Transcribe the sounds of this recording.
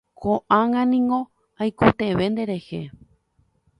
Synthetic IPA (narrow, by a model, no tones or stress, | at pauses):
kʰoʔãŋãnĩŋɡõ̞ | ajkot̪eʋe̞nd̪e̞ɾehe